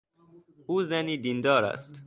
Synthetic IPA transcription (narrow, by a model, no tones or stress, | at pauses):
ʔuːzæniːd̪ind̪ɒːɾæ̰st̪